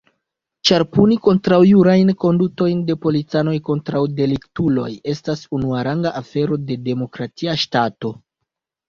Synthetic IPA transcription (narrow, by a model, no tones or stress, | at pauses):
t͡ʃaɾpuniko̞ntɾawjuɾajnko̞nduto̞jnde̞po̞lit͡sano̞jko̞ntɾawde̞liktulo̞̰je̞stasunuaɾaŋɡaʔafe̞ɾo̞de̞de̞mo̞kɾatiaʃtato̞